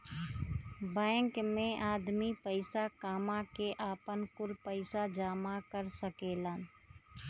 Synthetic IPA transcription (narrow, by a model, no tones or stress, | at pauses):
bɛ̃ːŋkmẽʔaːd̪mipəɪsakaːmãkeʔaːpənkʊlpəɪsad͡ʒaːmakəɾsəkeːlaːn